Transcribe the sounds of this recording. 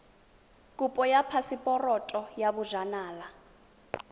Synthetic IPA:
kʼupʼɔjapʰasipʼɔrɔtʼɔjaβuʒanaːla

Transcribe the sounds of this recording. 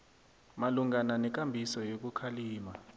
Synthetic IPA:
maluŋananɛk̬ʼambʱisɔjok̬ukʰaliːma

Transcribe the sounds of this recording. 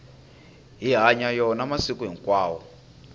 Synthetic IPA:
ɦiɦaɲajɔnamasikuɦiŋkwaːwɔ

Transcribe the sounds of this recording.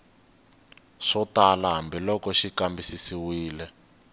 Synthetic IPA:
ʂɔtalaɦambilɔkɔʃikambisisiwiːlɛ

